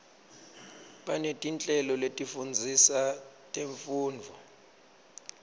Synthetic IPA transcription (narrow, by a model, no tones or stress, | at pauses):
ɓanetʼint͡ɬʼɛlɔletʼifund͡zʱisatʼeɱfuːnd͡vʱɔ